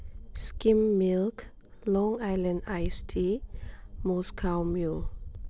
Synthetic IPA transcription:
skĩmːilk | lɔ̃ŋaɪlə̃ndaɪstʰi | mɔskʰaʊmjul

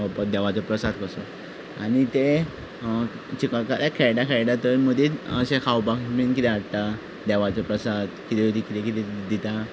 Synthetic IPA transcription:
əpəd̪ɛʋat͡sɔpɾəsad̪kəsɔ | a̰nit̪e | t͡ɕikəɭkaɾakʰɛjɖakʰɛjɖat̪əməd̪iəɕẽkʰawpakminkit̪ɛaɽt̪a | d̪ɛʋat͡sɔpɾəsad̪kit̪ɛʋt̪ikit̪ɛkit̪ɛd̪it̪a

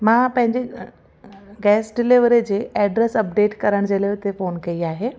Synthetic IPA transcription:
mãːpɐ̃ɦɪ̃ɲd͡ʑe | ɡɛːsɖɪliʋɾed͡ʑeːɛːɖɾɛsɐp̚ɖeːʈkɐɾəɽ̃d͡ʑeːlaʊt̪efoːnkɐiaːɦeː

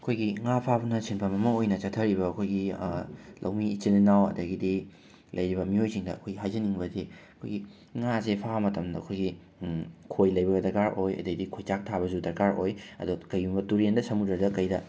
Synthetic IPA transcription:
ɐkʰojɡiŋapʰabɐnɐsinpʰɐmɐmɐojnɐt͡ʃɐtʰːɐɾibɐɐkʰojɡi | lʔɐ̰wmiːt͡ʃininawɐ̰dɐɡidi | lʔɐjɾibɐmiojsiŋdɐɐ̰kʰojɡiɦajzɐniŋbɐzeɐkʰo̰jɡi | ŋazepʰamɐtɐmdɐɐ̰kʰojɡi | kʰojlɐjbɐɡɐdɐɾkaɾojɐ̰dɐɡidikʰojt͡ʃak̚tʰaβɐzudɐɾkaɾojɐ̰dukɐjumbɐtuɾendɐsɐmudɐdɐkɐjdɐ

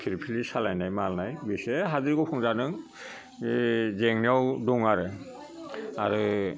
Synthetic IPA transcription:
kʰiɾpʰilisalajnajmalnajbisɛɦaziɾkɔpʰɔŋzanɯŋ | zɛŋniawduŋaɾɛ | aɹɯ

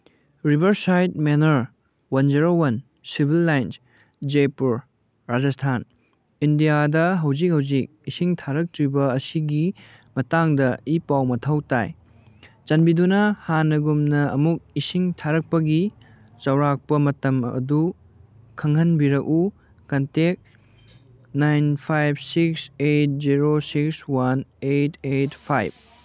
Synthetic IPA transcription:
ɾibʱɐɾsajt̚menɐɾ | wɐnd͡ʒiɾowɐn | sibʱilːajns | d͡ʒepuɾ | ɾad͡ʒɐstʰan | indijadɐɦɐwzik̚hɐwzik̚isiŋtʰaɾɐk̚tɾibɐɐsiɡimɐtaŋdɐipawmɐtʰɐwta̰j | t͡ʃɐnbidunɐhanɐɡumnɐɐmuk̚isiŋtʰaɾɐk̚pɐɡi | t͡ʃɐwɾak̚pɐmɐtɐmɐ̰du | kʰɐŋɦɐnbiɾɐku | kɐntek̚ | najnpʰajbsikset̚ziɾosikswɐnetʰetpʰajb̚

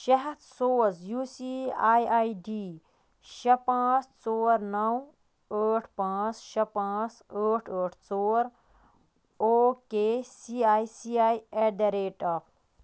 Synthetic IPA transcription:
ʃɐɦɐd̪soːzjuːsiaːjaːiɖiː | ʃɐpãːt͡st͡soːɾnɐw | əːʈʰpãːt͡sʃɐpãːt͡səːʈʰəːʈʰt͡soːɾ | oːkesiaːjsiaːjeɖɐɾeːʈɐ

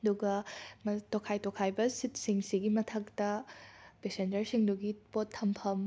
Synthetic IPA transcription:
ɐduɡɐmtokʰajtokʰajbɐsit̚siŋsiɡimɐtʰɐk̚tɐpesend͡ʒɐɾsiŋduɡipotʰːɐmpʰɐm

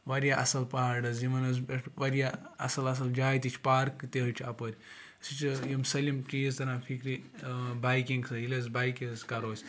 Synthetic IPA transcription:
ʋɐɾjaʔɐ̰sɐlpaɦaɾɖɐz̬imɐnɐzbɐʈʋɐɾʲjaɐsɐlɐs̬ɐld͡ʒaːjt̪it͡ʃʰʲpaːɾkt̪ʲeɦət͡ʃʰɐpəɾʲ | sit͡ʃʰjimsɐlimt͡ʃijizt̪ɐnãːfʰikɾibaːjkiŋɡsɐilʲezbaːjkizkɐɾoːsʲ

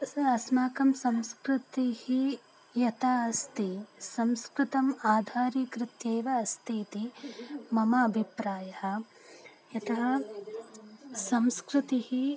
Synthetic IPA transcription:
ɐsmaːkɐmsɐmskɾɪt̪ihi | jɐt̪aːɐst̪isɐmskɾɪt̪ɐmaːd̪ʱaːɾikɾɪt̪jeːʋɐːst̪iːt̪imɐmɐːbʱipɾaːjɐhɐ̆ | jɐt̪ɐɦɐ | sɐmskɾɪt̪ihi

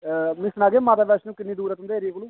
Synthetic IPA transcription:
mɪsnaːɡeːmãːt̪aːbɛːsnũːkɪnːiːd̪uːɾat̪ʊnd̪eːɾiekːlũː

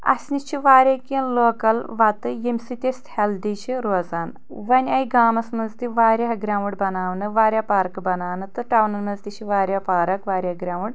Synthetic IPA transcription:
ɐ̰sʲnit͡ʃʰiʋaːɾʲakʲinloːkɐlʋat̪ɨjemsit̪ʲest̪held̪it͡ʃʰiɾoːzaːn | ʋɐnʲɐjɡaːmɐsmɐzt̪iʋaːɾʲaɦɐɡɾʲaːʋuɽbɐnaːʋnɨʋaːɾʲjapaɾkbɐnaːnɨt̪ɨʈaːwnɐlmɐzt̪iɕʰiʋaːɾʲjaːpaːɾɐkʋaːɾʲaɡɾʲaːʋuɽ

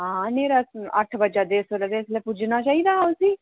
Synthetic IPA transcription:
ɦãːneːɾaɐ̰ʈʰbəd͡ʒad̪eːsoled̪eːɪslepud͡ʒʱnat͡ʃaːɦid̪aʊsiː

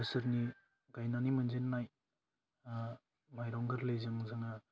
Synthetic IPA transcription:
ɯsɯɾni | ɡajnanimɯnzenːaj | majɾɔŋɡɯɾlejzɯŋzɯŋa

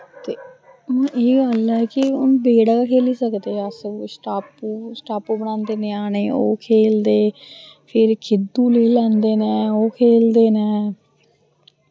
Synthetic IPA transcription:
t̪ẽː | eːɡəlɛːkɪʊnbeːɽaːkʰeːliːsəkd̪eːəssʈaːpuːsʈaːpuːbəɳãːnd̪eːneːaːneːo̰ːkʰeːld̪eː | pʰɪɾkʰɪd̪ũːleiːlɛ̃ːnd̪eːnɛːoːkʰeːld̪eːnɛː

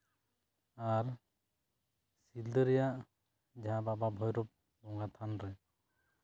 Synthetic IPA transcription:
aɾ | sild̪əɾɛjaʔ | d͡ʒãbababʱɔjɾɔp̚ | bɔŋɡat̪ʰanɾɛ

